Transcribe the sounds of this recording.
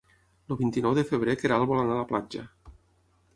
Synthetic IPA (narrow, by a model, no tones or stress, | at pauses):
loβint̪inɔwðefeβɾekeɾalˠβolanalaplad͡ʒa